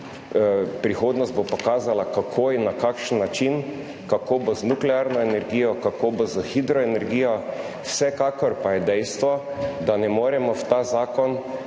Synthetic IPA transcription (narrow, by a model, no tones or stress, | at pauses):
pɾixoːd̪nɔst̪bopɔkaːzalakakʰoːjɛnakakʃənːat͡ʃin | kakoːbɔznuklɛaɾnɔɛnɛɾɡiːjɔkakoːbozaxid̪ɾɔɛnɛɾɡiːjɔ | wsɛkaːkɔɾpajɛd̪ɛjst̪ʋɔ | d̪anɛmoːɾɛmɔwt̪aːzaːkɔn